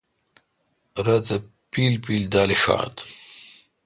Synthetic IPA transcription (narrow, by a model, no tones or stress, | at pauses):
ɾɐt̪ɐ | piːlpiːld̪aːliʂa̰ːt̪